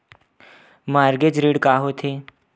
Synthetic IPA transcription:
maːɾɡed͡ʒɾiːɽkaːɦot̪ʰeː

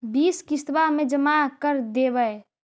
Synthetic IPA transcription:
biːskɪst̪bamẽd͡ʒəmakəɾd̪eːbəe

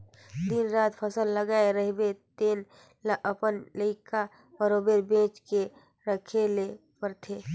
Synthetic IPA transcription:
d̪inɾaːt̪pʰəsəlːəɡaeɾəɦbet̪eːn | lʔəpənləɪkʰa | pəɾoːbeːɾbẽːt͡ʃke | ɾəkʰelepəɾt̪ʰeː

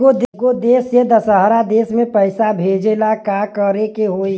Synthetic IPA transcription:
od̪ɡod̪eːsjed̪əsəɦɾad̪eːsmẽpəɪsabʱeːd͡ʒelakakəɾekeɦoi

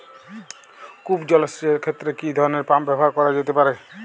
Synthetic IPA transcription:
kubd͡ʒɔlɔsieɾkʰet̪ːɾekid̪ʱɔɾɔneɾpambɛbɔɦaɾkɔɾad͡ʒet̪epaɾe

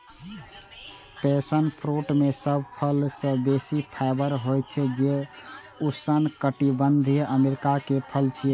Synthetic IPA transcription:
pesənpʰɾoʈmesəb̚ʱpʰəlsə̃besipʰaɪbəɾɦojt͡ʃʰɛd͡ʒe | usənkəʈibənd̪ʱijʔəmeɾikakepʰəlt͡ʃʰi

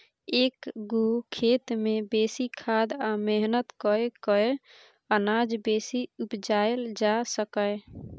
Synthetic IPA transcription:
ekɡukʰet̪mebesikʰad̪ameɦnət̪kəekəe | ənad͡ʒbesiupd͡ʒaeld͡ʒasəkə

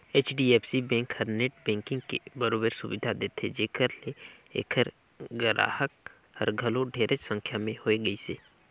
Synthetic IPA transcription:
eːt͡ʃɖiɛːpsibɛ̃ːŋkhəɾneʈ̚bɛ̃ːŋkɪ̃ŋɡkḛbəɾoːbeɾsʊʋɪd̪ʱad̪eːt̪ʰed͡ʒeːkəɾleḛːkʰəɾ | ɡəɾa̰ːhək̚ | həɾɡʱəlõɖʱeːɾʔət͡ʃsə̃ŋkʰjamẽhoːeɡɐiseː

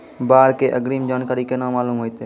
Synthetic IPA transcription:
baːɾkeːʔəɡɾiːmd͡ʒaːnkaːɾiːkenãːmaːluːmɦoːit̪eː

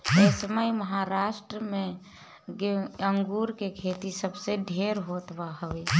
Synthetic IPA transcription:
esəməjməɦaɾaʃʈɾəmẽ | ɡəŋɡuɾkekʰet̪isəbseɖʱeɾɦot̪baɦəe

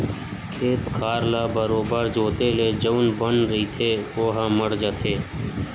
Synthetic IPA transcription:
kʰeːt̪kʰaːɾlaːbəɾoːbaːɾd͡ʒoːt̪eːleːd͡ʒəʋnbənɾəiːt̪ʰeːoːɦãːməɽd͡ʒat̪ʰeː

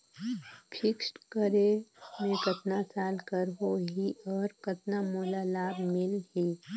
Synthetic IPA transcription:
pʰɪksʈkəɾemẽkɐt̪nasaːlkəɾɦoɦiɔːɾkɐt̪namoːlalaːbmɪlɦiː

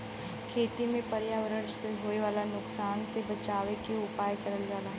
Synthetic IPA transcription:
kʰeːt̪imẽpɐɾjaːʋəɾəseɦoːeʋaːlanʊksaːnsebɐt͡ʃaːʋekeʊpaːjkɐɾəld͡ʒaːlaː

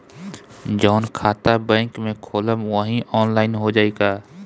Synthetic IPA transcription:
d͡ʒɔːnkʰaːt̪abɛ̃ːŋkmẽkʰoːləmwəɦĩʔɔːnlaːɪnɦod͡ʒaːeːɡaː

